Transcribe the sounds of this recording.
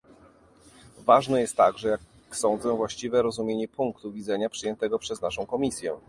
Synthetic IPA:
vaʐnɛjɛst̪ːaɡʐɛjak | sɔ̃nd̪zɛ̃vwaɕt͡ɕivɛɾɔzumʲjeɲɛpuŋkt̪uvʲid̪zɛɲapʂɘjɛnt̪ɛɡɔpʂɛznaʂɔ̃w̃kɔmʲisʲjɛ̰

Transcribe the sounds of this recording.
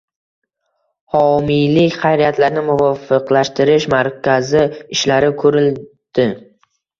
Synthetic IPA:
hɒmijlɪkʲχajɾijat̪laɾnɪmʊvɒfɨqlaʃt̪ʰɪɾɪʃmaɾkʲʰazɪɪʃlaɾɪkʰɵɾɪld̪̥ɪ

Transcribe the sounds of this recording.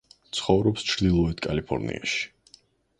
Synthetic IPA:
t̪sʰχɔvɾɔpst͡ʃʰɾd̪ilˠɔɛd̪ʰkʼalipʰɔ̰ɾnḭa̰ʃi̥

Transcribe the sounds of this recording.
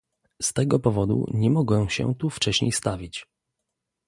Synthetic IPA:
st̪ɛɡɔpɔvɔd̪ṵɲɛmɔɡwɛɕɛ̰t̪uft͡ʂɛɕɲḛjst̪avʲit͡ɕ

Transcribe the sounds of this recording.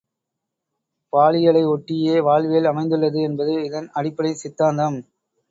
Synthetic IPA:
ʋaːɭɪjɐɭɐɪɔʈːɪjeːʋaːɭʋeːɐlɐmɐɪnd̪ɯɭːɐðɯɛnbɐðɯɪðɐnɐɽɪpːɐɽɐɪsɪt̪ːaːnd̪ɐm

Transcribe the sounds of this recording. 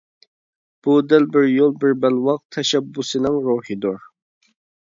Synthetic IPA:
b̥ud̪ɪlbɪɾjolˠbɪɾbælwɑq̚t̪ʰɛʃɛbːusɨnɪŋɾuhid̪uɾ

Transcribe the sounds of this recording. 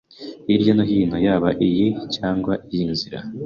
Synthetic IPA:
iɾjonoɦiːnojaːβaʔijicaːŋɡwaʔijinziɾa̰

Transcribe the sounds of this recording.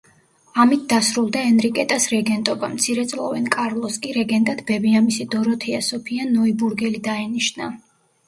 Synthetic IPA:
amit̪̚ʰd̪asɾulˠd̪aɛnɾikʼɛt̪ʼasɾɛɡɛnt̪ʼɔba̰mt̪sʰiɾɛt̪sʼlˠɔ̰vɛnkʼaɾlˠɔskʼiɾɛɡɛnt̪ʼad̪bɛbiamisid̪ɔɾɔt̪ʰɛasɔpʰianɔibuɾɡɛlid̪aɛniʃna

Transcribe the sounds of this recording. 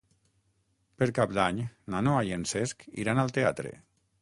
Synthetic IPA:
peɾkap̚d̪aɲnanoajenseskḭɾanalˠt̪eat̪ɾḛ

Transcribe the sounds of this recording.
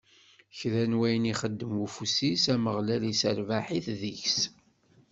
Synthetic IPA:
çɾænwæjəniχəd̪ːəmufusisæməʁlælisəɾvaħiθðiçs

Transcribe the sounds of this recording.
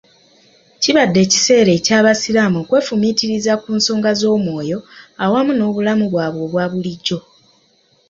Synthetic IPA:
ciβadːe̞ːci̥se̞ːɾe̞ːcaːβasilamokwe̞ːfumitiɾizakuːnso̞ːŋɡazo̞ːmwo̞ːjo̞awamuno̞ːβulamuβwaːβo̞ːβwaːβuliɟːo̞

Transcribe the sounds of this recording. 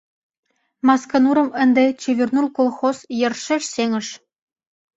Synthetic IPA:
mɑskɑnuɾə̆mə̆nd̪et͡ɕeβʲyrnulkolˠxozjɤ̆rʃeʃseŋə̆ʃ

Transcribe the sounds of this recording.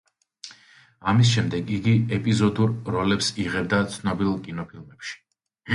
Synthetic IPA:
amisʃɛmd̪ɛɡiɡiɛpʼizɔd̪uɾːɔlɛpsiʁɛbd̪at̪sʰnɔbilˠkʼinɔpʰilˠmɛpʃi̥

